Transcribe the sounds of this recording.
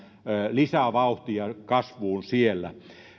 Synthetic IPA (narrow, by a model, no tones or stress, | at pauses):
lisæʋɑuht̪iɑkɑsʋuːnsielːæ̰